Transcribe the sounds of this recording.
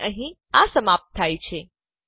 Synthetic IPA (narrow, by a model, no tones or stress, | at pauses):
ʔəɦĩ | asəmap̚t̪ʰːait͡ʃʰe